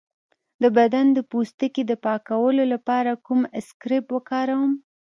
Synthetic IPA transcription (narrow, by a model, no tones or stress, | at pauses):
d̪əbad̪and̪əpust̪əked̪əpɑkawəlolapɑɾakumɪskɾɪpwəkɑɾawəm